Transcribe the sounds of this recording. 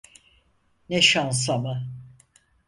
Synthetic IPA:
neʃans̬ama

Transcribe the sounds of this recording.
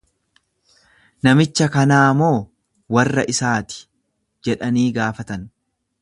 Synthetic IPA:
nɐmɪt͡ʃːɐkɐnaːmo̞ː | wɐrːɐʔɪsaːt̪ɪ̥ | d͡ʒɛᶑɐniːɡaːfɐt̪ɐn

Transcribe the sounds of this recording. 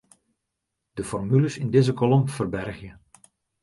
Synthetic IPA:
d̥əfɔrmyləsɪndezəkolɔmfərbɛrχjə

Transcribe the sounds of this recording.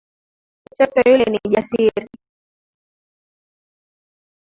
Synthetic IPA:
mut͡ʃɔtɔjulɛniʄasiɾi

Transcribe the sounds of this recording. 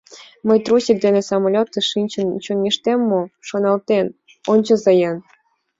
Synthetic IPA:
məjt̪rusʲik̚d̪enĕsɑmolʲot̪ːɤʃinʲt͡ɕə̆nt͡ɕonːʲeʃt̪emːoʃonɑlt̪en | onʲt͡ɕɤ̆zɤjɑn

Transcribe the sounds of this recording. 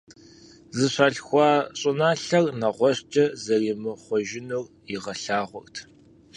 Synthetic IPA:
zɨɕʷaːɬxʷɑːɕʼɨnaːɬɐrnɐʁʷɔɕt͡ʃʼɐzɐriːmɨχʷɔʒɪnur | ɪʁɐɬaːʁʷɔrtʰ

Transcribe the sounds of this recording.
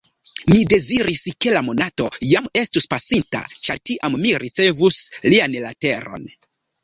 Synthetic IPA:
mide̞ziɾiske̞lamo̞nato̞jame̞stuspasinta̰t͡ʃaɾtiʔamːiɾit͡se̞vuslianlate̞ɾo̞̰n

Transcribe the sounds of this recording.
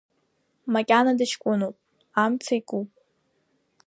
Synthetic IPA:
makʲʼanadɨʃkʷʼʊnopʼ | amt͡sʰaikʼupʼ

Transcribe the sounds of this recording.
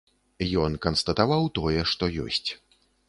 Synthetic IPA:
jɔnkɐnst̪ɐt̪avawt̪ɔjɛʂt̪ɔjɔ̰sʲt͡sʲ

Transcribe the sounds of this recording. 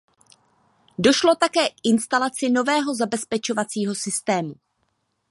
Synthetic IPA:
do̞ʃlo̞t̪akɛːkʔɪnst̪alat͡sɪno̞vɛːɦo̞zabɛspɛt͡ʃo̞vat͡siːɦo̞sɪst̪ɛːmu

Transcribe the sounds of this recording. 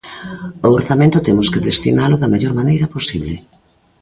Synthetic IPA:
ooɾθamẽnt̪ʊt̪emʊskeðest̪ḭnalʊðɐmeʎoɾmanejɾɐposiβlɪ

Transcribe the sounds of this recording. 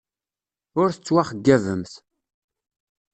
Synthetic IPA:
ʊɾθət͡sːwaχəɡːævəmθ

